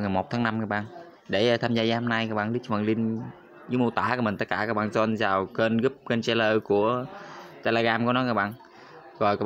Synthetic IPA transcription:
wŋa˨˩jmo˨˩t̚t̪ʰaː˨˦na˧mkaː˦˥k̚ɓa̰ː˧˨n | ɗe˧˩˨t̪ʰaː˧mzaː˧zaː˧ho˧na˧jkaː˧˦˥ɓa̰ː˧˨li˦˥k̚və̰˨˩ŋli˧n | zu˨˦mu˧t̪aː˧˩kːmï̟˨˩t̪ə˦˥t̚kaː˧˩kaː˦˥k̚ɓaː˧˨nzɔ˧nzaː˨˩wke˧nɣɨ˦˥p̚kə˧nt͡ɕɛ˧ləː˧ku˧˩ət̪e˧le˧ɣaː˧mkɔ˨˦nɔ˨˦kaː˦˥k̚ɓa̰ː˧˨n | ɣɔ˨˩jkaː˦˥

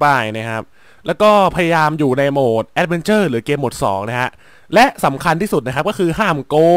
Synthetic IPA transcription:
paː˧˩jna˦˥kʰa˦˥p̚ | lɛː˦˥wkɔː˥˩pʰa˧ja˧jaː˧mjuː˨˩na˧jmoː˨˩t̪̚ʔɛ˦˥t̪̚me˧nt͡ɕɤː˥˩ɾlɯː˩˦keː˧mːo˨˩t̪̚sɔ̰ː˩˦ŋna˦˥kʰa˦˥ʔ | lɛ˦˥ʔsa˩˦mkʰa˧nt̪ʰiː˥˩u˨˩t̪̚na˦kʰa˦˥p̚kɔː˥˩kʰɯː˧ɦaː˥˩mkoː˧

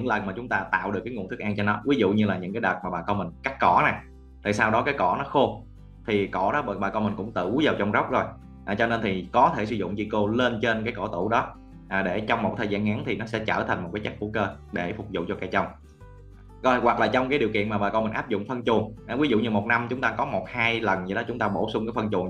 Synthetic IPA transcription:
ɲɨ̰˧˥ŋlə˨˩nmaː˨˩t͡ɕʊ˨˦ŋ͡mt̪aː˧t̪a̰ː˧˨wɗɨ˨˩əkːŋu˧˨nt̪ʰɨ˦˥k̚ʔaː˧ŋt͡ɕɔ˧nɔ˨˦wi˨˦zʊ̰˧˨ɲɨ˧laː˨˩ɲɨ̰˧˥ŋkaː˨˦jɗəː˨˩t̚maː˨˩ɓaː˨˩kɔ˧mï˨˩ŋ̟ka˦˥k̚kɔ˧˩na˨˩ | t̪ʰi˨˩saː˧wɗɔ˨˦kaː˨˦jkɔ˧˩nɔ˨˦xo˧ | t̪ʰi˨˩kɔ˧˩ɗɔ˨˦ɓɓaː˨˩kɔ˧mï˨˩ŋ̟kʊ̰˧˥ŋ͡mt̪ɨ̰˧˩zaː˨˩wt͡ɕɔ˧wŋ͡mzə˦˥wk͡p̚zo˨˩j | ʔaː˨˩t͡ɕɔ˧ne˧nt̪ʰi˨˩kɔ˨˦t̪ʰe˧˩s̬ɨ˨˧zʊ̰˧˨ŋ͡mt͡ɕi˧ko˧le˧nt͡ɕe˧nkaː˨˦jkɔ˧˩t̪ɨ˧˩ɗɔ˨˦ | ʔaː˨˩ɗe˧˩t͡ɕɔ˧wŋ͡mmo˨˩t̚t̪ʰəː˨˩jzaː˧nŋaː˨˦ŋt̪ʰi˨˩nɔ˨˦sɛ̰˧˥t͡ɕə̰ː˧˩t̪ʰa˨˩jŋ̟m̚˨˩kaː˨˦t͡ɕa˦˥k̚ku˧˩kəː˧ | ɗe˧˩fʊ˨˩k͡p̚zʊ̰˧˨ŋ͡mt͡ɕɔ˧ka˧˩jt͡ɕə˧wŋ͡m | ɔ˨˧˦wa˨˩k̚laː˨˩t͡ɕɔ˧wŋ͡mkaː˨˦jɗi˨˩əwkḭ˧˨ənmaː˨˩ɓaː˨˩kɔ˧wmï˨˩ŋʔaː˦˥p̚zʊ̰˧˨ŋ͡mfə˧nt͡ɕʊ˨˩əŋʔwi˨˦zṵ˧˨ɲɨ˧mo˨˩t̚na˧mt͡ɕʊ˨˦ŋ͡mt̪aː˧kɔ˨˦mo˨˩t̚haː˧jlə˨˩nzi˧˩ɗɔ˨˦t͡ɕʊ˨˦ŋ͡mt̪aː˧ɓo˧˩sʊ˧ŋ͡mkaː˨˦jfə˧nt͡ɕʊ˨˩əŋ

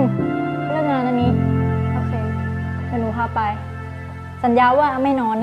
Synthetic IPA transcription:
pʰa˧naː˥˩ŋaː˧nːʔa˧˩nːiː˦˥a˥˩kʰe˧nkʰe˧˦nuː˧˦kʰaː˥˩pa˧j | sa˨˦njaː˦˧˥waː˥˩ʔma˥˩jnɔː˧˥n

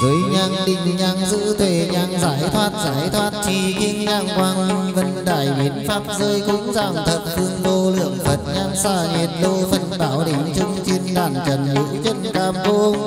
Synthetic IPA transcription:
vəː˨˦jɲaː˧ŋɗï˧˩ŋ̟ɲaː˧ŋzɨ̰˧˥t̪ʰwe˧˩ɲaː˧ŋzaː˧˦jt̪ʰwaː˧˥t̚zaː˧˩˦jt̪ʰwaː˧˥t̚t͡ɕi˧˩k̪ʰi˧ənɲaː˧˩ŋkwaː˧ŋ˧və˧nɗa̰ː˧˩jɓi˨˦ənfaː˦˥p̚zəː˧jkʊ̰˧˥ŋ͡mzaː˧˩mt̪ʰə˨˩t̚fɨ˧əŋvo˧lɨ̰˧˩˨əŋfə˨˩t̚ɲaː˧ŋsaː˧˩ɲi˨˩ət̚ɗo˧fə˧˩nɓaː˧˩wɗï˧˩ŋ̟t͡ɕɨ˧ŋ͡mt͡ɕʰi˧ənɗaː˧˩nt͡ɕə˨˩nnɨ̰˧˥t͡ɕə˧˩nkaː˧˩mko˧

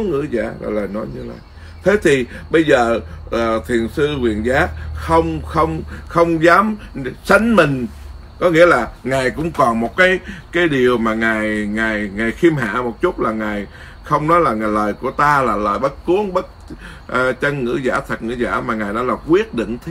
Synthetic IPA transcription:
ŋɨ̰˧˥za̰ː˧˩˨la̰ː˨˩ləː˨˩jnɔ˨˦jɲɨ˧la̰ː˨jj | t̪ʰe˨˦t̪ʰi˨˩ɓə˧jzəː˨˩ʔəː˨˩t̪ʰi˨˩ənsɨ˧kwi˨˩ənzaː˨˦˥xə˧wŋ͡mxə˧wŋ͡mxə˧wŋ͡mzaː˨˦msa˨˦jŋ̟mï˨˩ŋ̟ | kɔ˨˦ŋḭ˧˥əlaː˨˩ŋaː˨˩jkʊ̰˧˥ŋ͡mkɔ˨˩nmo˨˩t̚kaː˨˦jkaː˨˦jɗi˨˩əwmaː˨˩ŋaː˨˩jŋaː˨˩jŋaː˨˩jxi˧əmɦa̰ː˧˨mo˨˩t̚t͡ɕʊ˦˥t̚laː˨˩ŋaː˨˩j | xə˧wŋ͡mnɔ˨˦jlaː˨˩ŋaː˨˩jləː˨˩jku˧˩ət̪aː˧laː˨˩ləː˨˩jɓə˦˥t̚ku˨˦əŋɓə˦˥t̚ | ʔt͡ɕə˧nŋɨ̰˧˥za̰ː˧˩t̪ʰə˨˩t̚ŋɨ̰˧˥za̰ː˧˩maː˨˩ŋaː˨˩jnɔ˨˦laː˨˩kwi˦˥ət̚ɗḭ˧˨ŋt̪ʰ

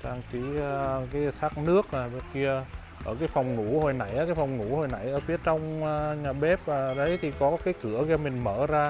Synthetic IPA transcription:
t͡ɕaː˧ŋt͡ɕi˧˥˧kaː˨˦jsʰaː˦˥k̚nɨ˦˥ək̚naː˨˩ɓki˧ə | ʔəː˧˩kaː˨˦jfɔ˨˩wŋ͡mnu˧˩ho˨˩jna̰˧˩jʔaː˨kaː˨˦jfɔ˨˩wŋ͡mnṵ˧˥ho˨˩jna̰˧˩jʔəː˧˩fi˨˦ət͡ɕɔ˧wŋ͡maː˨˧ɲaː˨˩ɓɛ˦˥p̚ːɗə˨˦jt̪ʰi˨˩kɔ˨˦kaː˨˦jkɨ˧˩əɣaː˧mï˨˩ŋ̟məː˧˩zaː˧

